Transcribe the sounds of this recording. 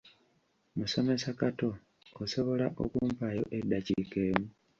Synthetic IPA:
muso̞me̞sakato̞ | oso̞βo̞laʔo̞̰kuːmpajo̞̰ʔe̞dːacike̞ːmu

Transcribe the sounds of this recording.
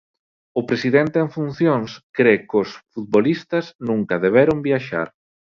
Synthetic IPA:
ʊpɾesiðent̪eeŋfun̟θjoŋskɾekʊsfut̪̚βolist̪ɐznũŋkɐðeβeɾʊmbjaʃa̰ɾ

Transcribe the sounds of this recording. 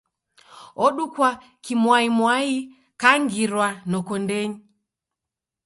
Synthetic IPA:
ɔɗukwa | kimwaimwai | kaŋɡiɾwanɔkɔndɛɲi

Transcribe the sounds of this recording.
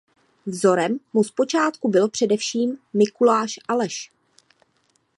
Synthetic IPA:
vzo̞ɾɛmːuspo̞t͡ʃaːt̪kubɪlopr̝̥ɛdɛfʃiːmːɪkulaːʃʔalɛʃ

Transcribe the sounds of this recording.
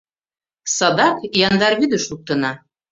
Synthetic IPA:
sɑd̪ɑkjɑnd̪ɑɾβyd̪ə̆ʃlˠuk̚t̪ɤ̆nɑ

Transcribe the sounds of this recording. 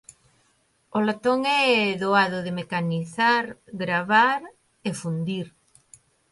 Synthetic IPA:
olat̪oŋɛðoaðʊðɪmekaniθaɾɡɾaβaɾ | efund̪iɾ

